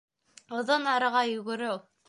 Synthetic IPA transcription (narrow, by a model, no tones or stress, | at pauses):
ŏðɤnɑɾɤ̆ʁɑjɵ̆ɡɘ̆ɾɘ